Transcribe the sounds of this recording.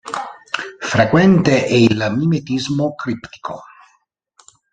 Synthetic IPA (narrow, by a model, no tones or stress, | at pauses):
fɾekwɛnt̪eʔɛilmimet̪izmokɾipt̪i̥kʰo̰